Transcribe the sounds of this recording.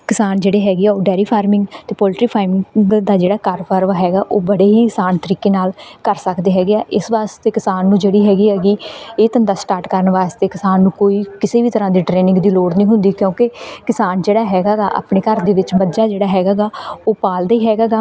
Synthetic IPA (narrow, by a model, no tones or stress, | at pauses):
kɪsaːnd͡ʒeːɽeːɦɛːɡiaːoːɖɛːɾiːpʰaːɾmɪ̃ŋɡt̪eːpɔːlʈɾiːpʰaːɪmɪ̃ɡd̪aːd͡ʒeːɽaːkaːɾpʰaːɾʋaːɦɛːɡaːʔoːbəɽeːɦiːkɪsaːnt̪əɾiːkeːnaːlkəɾsəkd̪eːɦɛːɡeaːʔɪsʋaːst̪eːkɪsaːnːũːd͡ʒeːɽiːɦɛːɡiːɛːɡiːeːt̪ənd̪aːsʈaːɾʈkəɾənʋaːst̪eːkɪsaːnːũːkoːiːkɪseːbiːt̪əɾãːd̪iːʈɾeːnɪ̃ŋɡd̪iːloːɽnĩːɦʊnd̪iːkjõːkɪkɪsaːnd͡ʒeːɽaːɦɛːɡaːɡaːʔa̰ːpɳeːkəɾd̪eːʋɪt͡ʃməd͡ʒaːd͡ʒeːɽaːɦɛːɡaːɡaːoːpaːld̪aːiːɦɛːɡaːɡaː